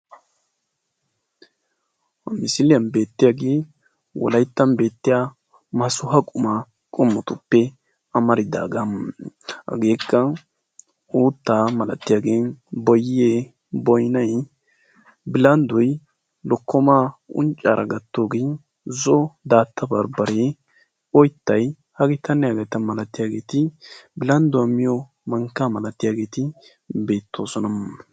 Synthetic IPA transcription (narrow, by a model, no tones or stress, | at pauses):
hɐmɪsɪlɪjɐnbe̞ːt̪ːɪjaɡeː | wɔ̰lɐjt̪ːɐnbe̞ːt̪ːɪja | mɐsʊɦɐkʼʊma | kʼʊmːɔt̪ʊpːɛ | ɐmɐɾɪd̪a̰ːɡɐmhɐ̰ɡe̞ːkːɐ | uːt̪ːaːmɐlɐt̪ːɪjaɡeːnbɔjɪeː | bɔjnɐj | bɪlɐnd̪ʊj | lɔkːɔmaːʊ̰nt͡ʃʼːaːɾʔɐ̰ɡɐt̪ːoːɡe | zɔd̪aːt̪ʰːɐbɐɾbɐɾe | ɔjt̪ːɐj | hɐɡɪt̪ʰɐnːɛjaɡɐt̪ɐmɐlɐt̪ːɪjaːɡe̞ːt̪ɪbɪlɐnd̪ʊwɐmːɪjɔ | mɐŋkːaːmɐlɐt̪ːɪjaːɡe̞ːt̪ɪ | be̞ːt̪ʰːo̞ːsɔnɐm